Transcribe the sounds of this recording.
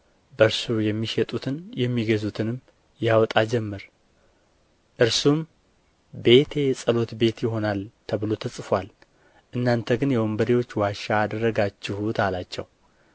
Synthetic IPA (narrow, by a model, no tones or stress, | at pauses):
bəɾsujɛmːiʃɛt̪ʼut̪ʰɨnjɛmːiɡəzut̪ʰɨnɨmː | jawɔt̪ʼad͡ʒɛmːɨɾ | ʔɨɾsum | be̞t̪ʰe̞sʼəlo̞t̪be̞t̪jɪɦo̞nalt̪ʰəβɨlo̞t̪ʰəsʼfal | ʔɨnːant̪ʰəɡɨnjɛwɔmbəɾiwo̞t͡ʃːwaʃaːd̪ərːəɡat͡ʃːɪhut̪ʰalat͡ʃːɛ̰w